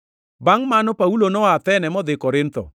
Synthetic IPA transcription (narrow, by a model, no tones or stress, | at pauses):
baŋmanɔpaulonɔat̪ɛnɛmɔd̪ɪkɔɾɪnt̪ɔ̰